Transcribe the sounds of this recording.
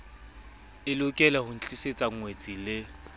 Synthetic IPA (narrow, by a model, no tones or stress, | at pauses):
ɪlʊkʼɛlahʊn̩t͡ɬʼiset͡sʼaŋ̩ŋwet͡sʼilɪ